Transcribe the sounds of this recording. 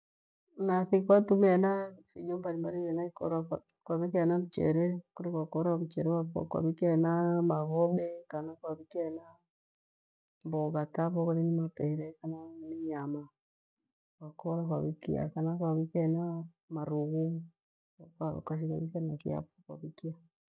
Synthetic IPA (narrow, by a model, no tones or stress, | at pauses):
naθikwatumanafiɲombaɾimbaɾiβɛnakɔɾa | kwaβik̬ianaβut͡ʃɛ̰ɾɛkuɾekwakoɾaβut͡ʃɛɾɛapkwa̰βikɛnamaɣɔɓɛkanakwaβikɛna | mboɣataβɔɣaɾinimapɛɾɛkananiɲama | kwakoɾakwa̰βikia̰kanakwaβikana | maɾuɣu | kakwaʃ̬ika̰βikanaθḭa̰pokwa̰βikia